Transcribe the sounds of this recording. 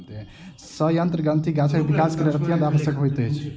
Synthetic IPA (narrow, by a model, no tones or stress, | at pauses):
t̪eɦɛ̃ | səjənt̪ɾəɡə̃nt̪ʰiɡat͡ʃʰəkebikaskəɾeɾət̪ijə̃nd̪abəsjəkɦojt̪eɦt͡ʃʰ